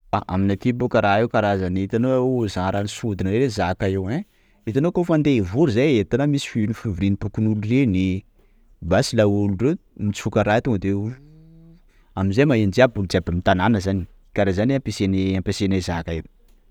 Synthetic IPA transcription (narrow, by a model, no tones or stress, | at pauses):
aʔa̰minat̪ibukaɾaewkaɾazanit̪anozaaɾanisud̪inəɾeɾezakaewẽ | it̪anokofand̪eivuɾuzajet̪anamisi̥finifivuɾinipukinulureni | basilaulurewmit͡si̥fukaɾaet̪oŋɡəd̪eulu | aminzajmaɦend͡ʒiabuld͡ʒabamit̪ananəzani̥ | kaɾezanampeseneampesenezakaebi̥